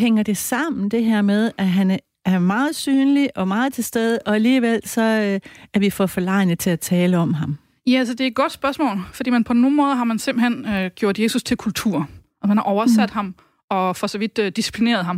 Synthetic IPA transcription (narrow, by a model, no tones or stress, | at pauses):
ɦeŋ̰ɐd̥e̝sɑ̈m̰n̩d̥e̝ɦæɐ̰með̞ˠʔæɦæn | æɐmɑ̈ːð̞̩ˠsyːnəliʔɒ̽mɑ̈ːð̞̩ˠt͡sʰe̝sd̥eðˠəʔɒ̽æliːʋel̰sɒ̽æɐʋifɒfɒlɑ̈ɪnət͡sʰe̝æt͡sʰɛːləɒ̽mɦɑ̈m | jæælsəd̥e̝æɡ̥ɒ̽d̥sb̥ɶɐsmɔ̰̽ːlfdḭːmænpʰɒ̽no̝ːn̩mɔ̽ːðˠɐɦɑ̈mænse̝mb̥l̩hen̰ɡ̥jo̝ɐ̰d̥je̝ːsust͡sʰe̝lkʰult͡sʰuɐ̰ | ʔɒmænhɑ̈ʔɒʊɐssæd̥hɑ̈m | ɒ̽fɒsɒ̽ʋid̥ːisi̥pʰline̝̰ːɐðˠɦɑm